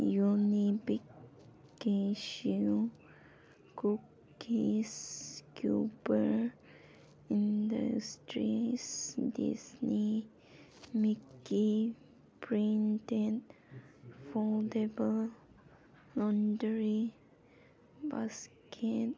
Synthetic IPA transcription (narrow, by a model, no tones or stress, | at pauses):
junibik | keʃ | kuk | iskʰjṵpə | ĩndə̰stɹisdḭsni | miki | pʰɹĩntɛt | fɔldebəl | lɔ̃ndəɹi | baskʰɛt̚